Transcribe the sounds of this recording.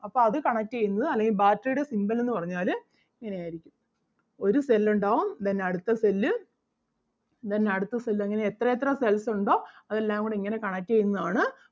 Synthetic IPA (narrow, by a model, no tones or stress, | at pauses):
ɐpːo̞ːɐðɨkɐɳɐtːejunːɐðɨɐlːeŋɡilbaːtːrɐjuɽe̞simbɐlenːɨpɐrɐɲːaːlɨ | iŋːɐne̞jaːjiɾikʲːum | o̞ɾuselːuɳɖaːʋumt̪ɐnːeɐɽut̪ːɐselːɨ | t̪ɐnːeɐɽut̪ːɐselːɨɐŋːɐne̞ːt̪rɐjet̪̬ːrɐselsuɳɖo̞ːɐðe̞lːaːɡoɽiŋːɐne̞kɐɳɐtːejunːɐðaːɳɨ